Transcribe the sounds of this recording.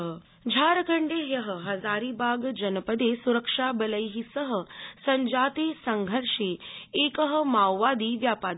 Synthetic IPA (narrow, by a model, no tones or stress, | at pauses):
d͡ʒʱaːɾəkʰɐɳɖeːɦjɐɦəɦɐzaːɾiːbʱaːɡd͡ʒɐnpəd̪esuɾəkʂaːbɐləjɦisəɦə̆sɐ̃ɲd͡ʒaːt̪eːsɐŋɡʱəɾʂeeːkəɦə̆maːwːaːd̪iːʋjaːpaː